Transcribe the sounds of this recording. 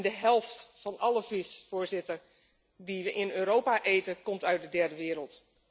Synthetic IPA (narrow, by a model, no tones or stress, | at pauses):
ndəɦɛlˠftfɔnɑləvɪsfoːɹzɪtər | diʋəʔɪnøːɾowpaʔeːtəkɔmtœɥt̚dədɛrdəʋɪːəɾəlˠt